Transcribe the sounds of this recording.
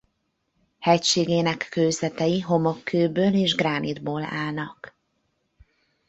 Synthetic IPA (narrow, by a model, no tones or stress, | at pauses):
hɛcʃeːɡeːnɛkːøːzɛt̪ɛjiɦo̞mokʰːøːbøːleːʒɡraːnid̪boːla̰ːlnɒk